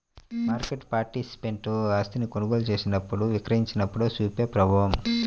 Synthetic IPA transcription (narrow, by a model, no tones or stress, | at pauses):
maːɾkeʈpaːɾʈisi̥peɳʈoaːst̪inikonuɡo̞ːlut͡ʃe̞ːsinɐpːuɽuʋikɾɐɦiɲt͡ʃinɐpːuɽusuːpjɐpɾɐbʱaːwɐm